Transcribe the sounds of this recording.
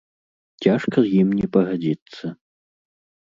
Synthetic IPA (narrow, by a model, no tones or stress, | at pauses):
t͡sʲaʂkɐzjimnʲɛpɐɣad͡zʲit̪sːɐ